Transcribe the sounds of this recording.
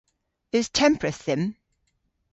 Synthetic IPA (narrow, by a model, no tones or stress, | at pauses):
ɪz̥tʰɛ̃mpʰɹɨθɪ̃m